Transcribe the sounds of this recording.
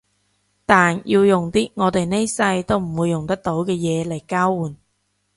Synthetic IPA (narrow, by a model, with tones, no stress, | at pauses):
t̪aː˨nji˧wjʊ˨˩ŋt̪iː˥ŋɔː˨˧t̪e˨jne˥jsɐ˧jt̪o˥wm̩˨˩wuː˨˧jːʊ˨˩ŋt̪ɐ˥k̚t̪o˨˥wkɛː˧jɛː˨˧le˨˩jkaː˥wwuː˨˩n